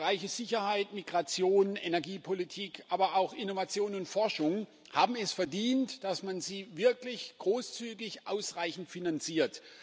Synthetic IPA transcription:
ʁaɪçəz̥ɪçɐhaɪtmiɡʁat͡sjoːnenɛɐɡiːpʰolitʰiːkʔaːbɐaʊxɪnovat͡sjoːnʊntfɔɐʃʊŋ | haːbm̩ɛsfɛɐdiːntd̥asmanziːvɪɐklɪçɡ̥ʁoːst͡syːɡɪçʔaʊsʁaɪçn̩tfinant͡siːɐt

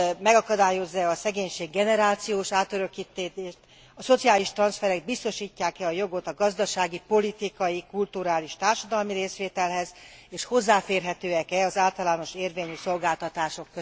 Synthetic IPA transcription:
mɛɡɒkɒd̪aːjo̞zːɛɒsɛɡeːɲʃeːɡːɛnɛɾaːt̪sijoːʃaːt̪øɾøkːit̪ːeːt̪eːʃt̪ | ɒso̞t̪sijaːliʃt̪rɒnsfɛɾɛɡd̪̚bist̪o̞ʃiːcːaːkɛɒjo̞ɡo̞t̪ɒɡɒzd̪ɒʃaːɡipo̞lit̪ikɒjikult̪uɾaːliʃt̪aːrʃɒd̪ɒlmiɾeːsʋeːt̪ɛlɦɛz | eːʃho̞zːaːfeːrɦɛt̪øːɛkɛɒzaːlt̪ɒlaːno̞ʃeːrveːɲyso̞lɡaːlt̪ɒt̪aːʃo̞kːø

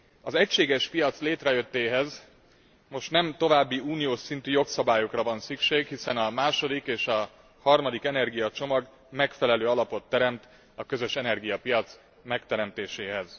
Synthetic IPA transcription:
ɒzɛcʃeːɡɛʃpijɒt̪sleːt̪rɛjø̞t̪ːeːɦɛz | mo̞ʃt̪nɛmt̪o̞vaːbːiuːnijoːʃsint̪yːjo̞ksɒbaːjo̞krɒvɒnsykʃeːkhisɛnɒmaːʃo̞d̪ikeːʃɒ | hɒrmɒd̪ikɛnɛrɡijɒt͡ʃo̞mɒɡ | mɛkfɛlɛløːɒlɒpo̞t̪ːɛɾɛmt̪ | ɒkøzø̞ʃɛnɛrɡijɒpijɒt̪s | mɛkt̪ɛɾɛmt̪eːʃeːɦɛz

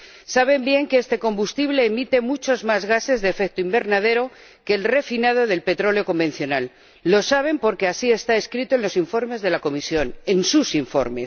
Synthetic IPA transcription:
saβ̞e̞mbje̞ŋkeest̪e̞ko̞mbust̪iβle̞ːmit̪e̞mut͡ʃo̞zmazɣase̞zðefek̚t̪oimbe̞ɾnað̞e̞ɾo̞ | ke̞lre̞finað̞o̞ðe̞lpe̞t̪ɾo̞leo̞ko̞mbe̞nθjo̞nalː | o̞saβ̞e̞mpo̞ɾke̞asie̞st̪ae̞skɾit̪o̞enlo̞siɱfo̞ɾme̞zð̞e̞lako̞misjo̞nensusiɱfo̞̰ɾme̞s

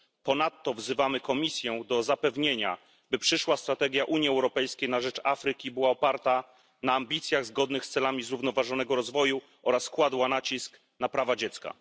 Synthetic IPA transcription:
pɔnat̪ːɔvzɘvamɘkɔmʲisʲjɛ̃d̪ɔzapɛvɲeɲa̰ | bɘpʂɘʂwast̪ɾat̪ɛɡʲjaʔuɲiɛwɾɔpɛjskʲejnaʐɛt͡ʂafɾɘkʲibɘwaɔpaɾt̪a | naːmbʲit̪sʲjaɣzɡɔd̪nɘxst̪sɛlamʲizɾuvnɔvaʐɔnɛɡɔɾɔzvɔju | ʔɔɾaskwad̪wanat͡ɕisk | napɾavad͡ʑɛt̪ska̰

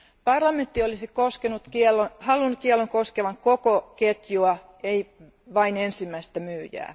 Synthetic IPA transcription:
pɑrlɑment̪ːiolisikoskenut̪kielohɑlunːutkieɛlːoŋkoskeʋɑŋkokoket̪juɑ | ei | ʋɑinensimːæist̪æmyːjæ̰ː

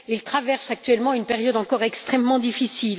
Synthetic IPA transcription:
ilt̪χavɛʁsak̚t̪ɥɛlmɑ̃ynpeʁjɔd̪ɑ̃kɔʁɛkst̪χɛmːɑ̃d̪ifisil

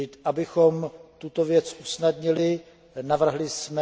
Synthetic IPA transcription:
ɪt̪ʔabɪxo̞mt̪ut̪o̞vjɛt͡sʔusnad̪ɲɪlɪ | navr̩ɦlɪsmɛ

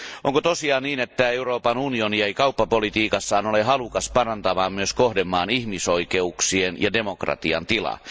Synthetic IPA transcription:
ʔoŋkot̪osiɑːniːnet̪ːæe̞uroːpɑnunionieikɑupːɑpolit̪iːkɑsːɑːnoleɦɑlukɑspɑrɑnt̪ɑmɑːmmyøskohdemːɑːnihmisoike̞uksienjɑde̞mokrɑ̰t̪iɑ̰nt̪ilɑ̰

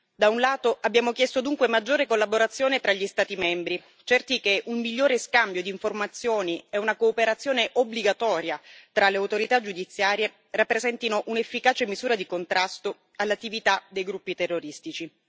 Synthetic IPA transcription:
d̪aunlaːt̪oʔabːjaːmokjɛst̪od̪uŋkwemad͡ʒːoːɾekolːaboɾat̪sːjoːnet̪ɾaʎːist̪aːt̪imɛmbɾi | t͡ʃɛrt̪ikeʔumːiʎːoːɾeskambjod̪iːɱformat̪sːjoːniɛunakoːpeɾat̪sːjoːneʔobliɡat̪ɔːɾjat̪ɾaleawt̪oɾit̪ad͡ʒud̪it̪sːjaːɾje | rapːɾezɛnt̪inoʔunefːikaːt͡ʃemizuːɾad̪ikont̪ɾʔast̪o | alːat̪ːivit̪ad̪ejɡɾupːit̪erːoɾist̪it͡ʃi

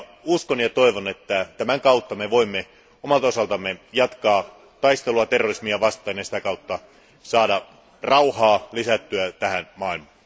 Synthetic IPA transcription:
uskonjɑt̪o̞iʋonet̪ːæt̪æmæŋkɑut̪ːɑmeʋo̞imːe | omɑlt̪o̞sɑlt̪ɑmːejɑt̪kɑː | t̪ɑist̪eluɑt̪erːorismiɑʋɑst̪ˑɑːnjɑsi̥t̪ækɑut̪ːɑ | sɑːdɑ | rɑuhɑːlisæt̪ːyæt̪æhænmɑːilmɑː

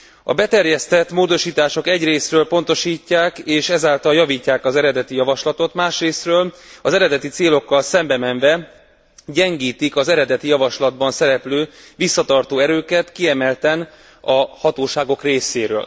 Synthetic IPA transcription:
ɒ̰bɛt̪ɛrjɛst̪ɛt̪moːd̪o̞ʃiːt̪aːʃo̞kɛɟreːsrøːlpo̞n̪t̪o̞ʃiːcːaːkeːʃɛzaːlt̪ɒljɒviːcːaːkɒzɛɾɛd̪ɛt̪ijɒvɒʃlɒt̪o̞t̪maːʃreːsrøːlɒzɛɾɛd̪ɛt̪it̪seːlo̞kːɒlsɛmbɛmɛɱvɛ | ɟɛŋɡiːt̪ikɒzɛɾɛd̪ɛt̪ijɒvɒʃlɒd̪bɒnsɛɾɛpløː | visːɒt̪ɒrt̪oːɛɾøːkɛt̪kiɛmɛlt̪ɛn | ɒhɒt̪oːʃaːɡo̞kreːseːɾø̰ːl

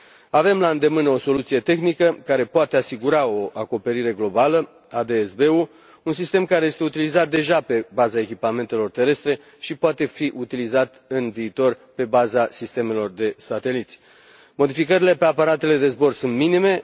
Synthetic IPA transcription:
ave̞mlaɨnd̪e̞mɨno̞so̞lut̪sije̞t̪e̞xnikəkaɾe̞poat̪e̞asiɡuɾao̞ʔako̞pe̞ɾiɾe̞ɡlo̞balə | ad̪e̞ːsbe̞u | unsist̪e̞mkaɾeje̞st̪eut̪ilizat̪̚d̪e̞ʒape̞bazaekʲipame̞nt̪e̞lo̞rt̪e̞ɾe̞st̪ɾe̞ | ʃipoat̪e̞fiʔut̪ilizat̪ɨnviːt̪o̞rpe̞bazasist̪e̞me̞lo̞rd̪e̞sat̪e̞lit̪sʲ | mo̞d̪ifikəɾile̞pe̞apaɾat̪e̞le̞d̪e̞zbo̞rsunt̪minime̞

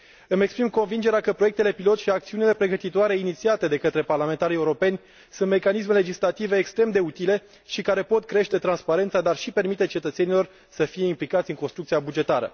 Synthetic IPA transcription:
ɨme̞kspɾimko̞nvind͡ʒe̞ɾeakəpɾo̞jekt̪e̞le̞pilo̞t̪ʃiak̚t̪siunile̞pɾe̞ɡət̪it̪oaɾe̞init̪siat̪e̞d̪e̞kət̪ɾe̞parlame̞nt̪aɾije̞uɾo̞pe̞nʲ | sunt̪me̞kanis̬me̞le̞d͡ʒislat̪ive̞ːkst̪ɾe̞md̪e̞ut̪ile̞ | ʃikaɾe̞po̞t̪̚kɾe̞ʃt̪e̞t̪ɾanspaɾe̞nt̪sad̪arʃipe̞rmit̪e̞t͡ʃe̞t̪ət̪senilo̞r | səfije̞implikat̪sʲɨŋkonst̪ɾukt̪siabud͡ʒe̞t̪aɾə̰

